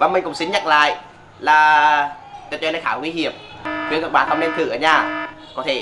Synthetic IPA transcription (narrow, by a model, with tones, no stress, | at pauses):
vaː˧˩ŋ͡mmi˨˩kʊ̰˧˩ŋ͡msï˧˦ŋ̟ɲa̰˧˨jŋla̰ː˧˨j | laː˨˩ | t̪ɨ˨˩t͡ɕə˧˥lːxaː˧˩ŋwi˧hi˨˧˩əmvɨ˨˦kə˨˩k̚ɓaː˨˩t̪ʰə˧ŋ͡mne˧mt̪ʰɨ˨˧˩ʔəː˧˩ɲaː˨˩ | kɔ˨˦t̪ʰe˧˩